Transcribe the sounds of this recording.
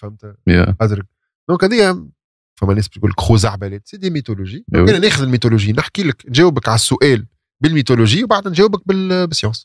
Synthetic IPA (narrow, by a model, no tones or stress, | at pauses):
fæmt̪æ̰ʔæd̪ɾəɡ̚ | d̪̥ɔ̃ːkhɛðɛjæ | fæmːænɛːsb̚t̪kuːləkxuːzaʕbælɛːt̪sed̪emit̪oloʒiːænænɛːxʊðɪlmit̪oloʒiːnɪħkiːləknʒɛːwɪbəkʕasːʊʔɛːl | bɪlmit̪oloʒiːwbaʕd̪ænʒɛːwɪbæk̚bɪlbɪsːjɑ̃ːs